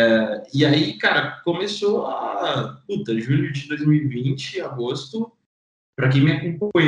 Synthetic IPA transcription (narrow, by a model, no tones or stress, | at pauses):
ɪaikaɾɐkomesoaput̪ɐʒuʎʊd͡ʒɪd̪ojzmiwivĩnt͡ʃɪaɡost̪ʊ | pɾɐkẽj̃mɪakõpɐ̃j